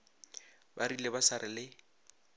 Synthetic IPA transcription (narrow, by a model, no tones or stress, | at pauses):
barilebasaɾɪlɪ